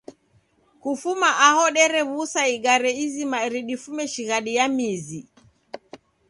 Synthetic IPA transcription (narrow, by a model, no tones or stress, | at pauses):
kufumaʔahɔɗɛɾɛβusaiɡaɾɛizimaɾiɗifumɛʃiɣaɗijamizi